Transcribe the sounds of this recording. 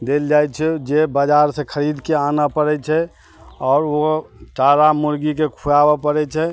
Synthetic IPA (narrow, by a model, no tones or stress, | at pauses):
d̪eld͡ʒajt͡ʃʰɛd͡ʒebad͡ʒaɾsẽkʰəɾid̪keanapəɾɛt͡ʃʰɛ | ɔːɾot͡ʃaɾamuɾɡikekʰujabapəɾɛt͡ʃʰɛ